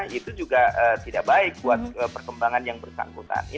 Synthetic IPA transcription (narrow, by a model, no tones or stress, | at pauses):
it̪ud͡ʒuɡaət̪idaʔbaɪk̚buat̪̚əpərkəmbaŋanjaŋbərsa̰ŋkut̪a̰ni